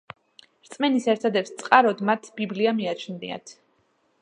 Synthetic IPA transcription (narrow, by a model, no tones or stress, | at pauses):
ɾt̪sʼmɛnisɛɾt̪ʰad̪ɛpst̪sʼqʼaɾɔd̪mat̪ʰbibliamiat͡ʃʰnnḭa̰t̪ʰ